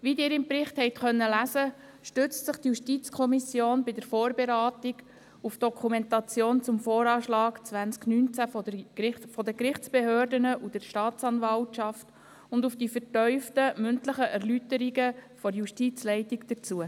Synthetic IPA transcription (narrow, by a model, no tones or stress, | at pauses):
ʋidɪːɾɪmpɾɪχthɛɪtχœnːəlæsə | ʃtʏt͡stsɪχtjuʃtit͡skʰɔmisjoːnbɪdəɾfɔːɾbeɾaːtiɡ | ufd̥ɔkʰumɛntɑt͡sjoːnt͡sʊmfoːɾɑːʃlɑːkt͡sʋænsknynt͡sæfɔfɔdəkɾɪχt͡sb̥eɦøːrdənəʔud̥əɾʃtɑːt͡sɑnvɑltʃɑft | ʊndufd̥ifətœʏftəmʏntləχəʔæɾlytəɾiɡəfɔɾjuʃtit͡slɛɪtikd̥ət͡suə